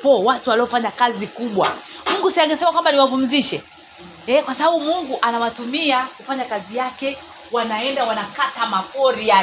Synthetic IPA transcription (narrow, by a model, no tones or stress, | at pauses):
pɔwatuwaliɔfaɲakazikuɓwamuŋɡusiaŋɡɛsɛmakwambaniwavum̩ziʃɛ | ɛkwasaɓaɓumuŋɡuʔanawatumiakufaɲakazijakɛ | wanaɛndawanakatamakɔɾia